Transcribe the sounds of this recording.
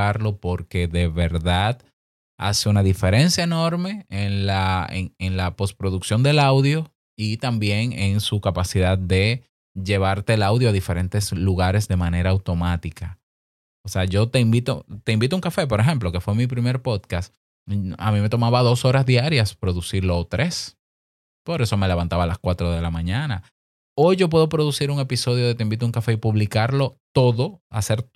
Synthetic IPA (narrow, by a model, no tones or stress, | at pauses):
aɾlo̞po̞ɾke̞ðe̞βe̞ɾðað | a̰seunaðife̞ɾe̞nsjae̞no̞ɾme̞enlaḛŋeŋlapo̞spɾo̞ðuksjo̞nd̪e̞lawðjo̞ | it̪ambje̞ŋeŋsukapasiðad̪̚ːe̞ | ʝe̞β̞aɾt̪e̞ːlawðjoaðife̞ɾe̞nt̪e̞sluɣaɾe̞sðe̞mane̞ɾaːwt̪o̞mat̪ikʰa | oseaʝo̞t̪e̞imbit̪o̞t̪e̞imbit̪ouŋkafe̞p̬o̞ɾe̞ɦe̞mplo̞ke̞fwe̞mip̬ɾime̞ɾpo̞ðkas | a̰mĩme̞t̪o̞maβaðo̞so̞ɾasdiaɾjaspɾo̞ðusiɾlo̞ːt̪ɾʔe̞s | po̞ɾe̞so̞me̞le̞βant̪aβalaskwat̪ɾoð̞e̞lamãɲãna | ojʝo̞p̬we̞ðo̞pɾo̞ðusiɾuŋe̞piso̞ð̞joðe̞t̪eimbit̪ouŋkafe̞ipuβlikaɾlo̞t̪o̞ðo̞a̰se̞ɾ